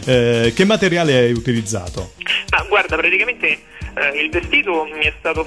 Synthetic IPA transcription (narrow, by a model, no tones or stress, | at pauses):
k̟emːat̪eɾjaːleɛajut̪ilid̪zːa̰ːt̪o̰maɡward̪apɾat̪ikament̪e | ilvest̪iːt̪omiɛst̪aːt̪o